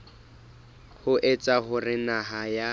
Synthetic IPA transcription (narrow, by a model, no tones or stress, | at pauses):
hʊʔɛt͡sʼaɦʊrɪnaɦaja